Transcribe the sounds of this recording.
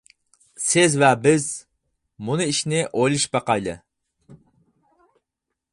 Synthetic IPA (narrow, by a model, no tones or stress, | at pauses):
sɪzvɛbɪz | mʊnɨiʃnɪʔojlˠɪʃbɑqɑjd̪ɨ̰